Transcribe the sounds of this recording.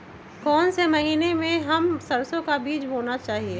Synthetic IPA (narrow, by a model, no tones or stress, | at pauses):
kɔːnsemɐɦiːnemẽɦɐmsɐɾsõkabiːd͡ʒboːnat͡ʃaːɦieː